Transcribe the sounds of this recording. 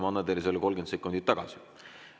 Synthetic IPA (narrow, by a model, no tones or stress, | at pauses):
mɑnːɑd̪eɾis̬elːko̞lɡent̪se̞kːˑund̪̥it̪ːɑɡ̥ɑsi